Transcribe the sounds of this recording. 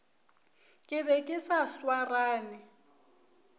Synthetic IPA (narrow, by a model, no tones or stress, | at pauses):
kʼɪbɛkʼɪsaswaraːnɪ